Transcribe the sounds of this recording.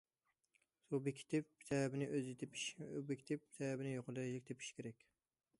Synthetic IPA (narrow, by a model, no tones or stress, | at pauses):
sobɪkʲʰi̥t̪ʰɪp̚ːt̪ʰɛbɪnɪøzit̪ʰɪpʰiʃbɪkʲʰit̪ʰɪp̚ːt̪ʰɛbɪnɪjoqʰʊlˠɛʃlɪkʲt̪ɪpʰi̥ʃkʲʰeɾɛkʲ